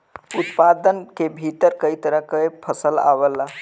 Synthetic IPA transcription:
ut̪pad̪ənkebʱit̪əɾkəit̪əɾəɦkəepʰəsəla̰ʋəlːa

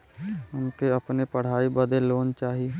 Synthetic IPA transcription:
ʊnkeɐpnepəɽ̤aːibəd̪eloːnt͡ʃaːɦie

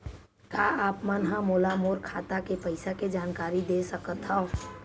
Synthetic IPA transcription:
kaaːpmənɦãmoːlamoːɾkʰaːt̪akepɐɪsaked͡ʒaːnkaːɾid̪esɐkət̪ɦɛo

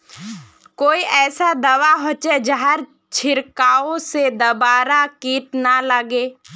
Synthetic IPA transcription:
koːiʔɛːsad̪ɐʋaɦoːt͡ʃed͡ʒəɦəɾ | t͡ʃʰɪɾkaːõsed̪ɐbaːɾakiːʈnaləɡeː

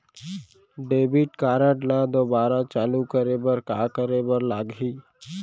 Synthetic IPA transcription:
ɖeːbiʈkaːɾəʈlad̪oːbaːɾat͡ʃaːlukəɾebəɾkaːkəɾebəɾlaːɡɦiː

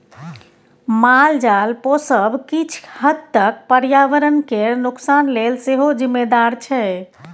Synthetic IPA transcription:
mald͡ʒalposəbkit͡ʃʰhəd̪t̪ək̚pəɾjaʋəɾənkenuksanlelseɦod͡ʒimːed̪aɾt͡ʃʰɛ

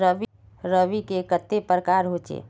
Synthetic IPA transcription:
ɾəʋ | ɾəʋikekət̪ːepɾəkaːɾɦot͡ʃḛː

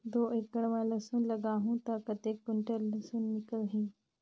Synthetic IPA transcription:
d̪oʔekːəɽʋaləsuːnləɡaɦũt̪akət̪ek̚kuɳʈələsuːnːikəlɦĩ

